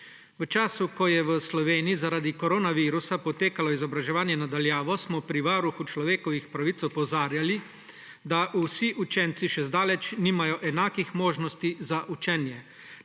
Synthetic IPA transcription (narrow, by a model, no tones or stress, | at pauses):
ʋət͡ʃaːsukɔjɛʋəslɔʋeːnijizaɾaːd̪ikɔɾoːnaʋiːɾusapɔt̪eːkalɔizɔbɾaʒɛʋaːnjɛnad̪aljaːʋɔsmɔpɾiʋaɾuxut͡ʃlɔʋeːkɔʋixpɾaʋiːt̪ɔpɔwzaːɾjali | d̪aʔusiʔut͡ʃɛnt̪siʃɛzd̪aːlɛt͡ʃniːmajɔʔɛnaːkixmoːʒnɔst̪izaʔut͡ʃɛnjɛ